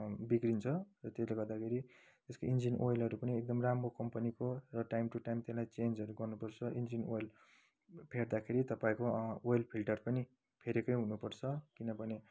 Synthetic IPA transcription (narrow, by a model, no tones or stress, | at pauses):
biɡrint͡sʰʌrʌt̪esleɡʌrd̪akʰeɾi | t̪eskoind͡zinʔojlɦʌɾupʌniek̚d̪ʌmramrokʌmpʌnikorʌʈajmʈuʈajmt̪elajt͡send͡zʌɾuɡʌrnupʌrt͡sʰʌʔind͡zinojl | pʰeɽd̪akʰeɾit̪ʌpaĩkoojlpʰilʈʌrpʌni | pʰeɾekʌjɦunupʌrt͡sʰʌkinʌbʱʌne